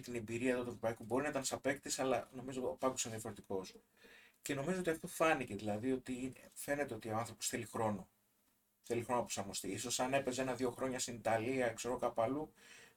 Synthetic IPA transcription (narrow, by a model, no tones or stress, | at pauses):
t̪inebiɾiɐðɐt̪uevɾo̞pɐikubo̞ɾinɐt̪ɐnsɐpe̞kt̪isɐlɐ̰no̞mizo̞pɐkd̪osenðiɐfo̞ɾe̞t̪iko̞s | ce̞no̞mizo̞ot̪iɐft̪o̞fɐnice̞ðilɐðio̞t̪ife̞net̪e̞o̞t̪io̞ɐnθɾo̞po̞sθelixɾo̞no̞ | θe̞lixɾonoɐposɐɾmost̪iiso̞sɐne̞pe̞zee̞nɐðʝo̞xɾo̞ɲɐst̪init̪ɐliɐkse̞ɾo̞kɐpɐlu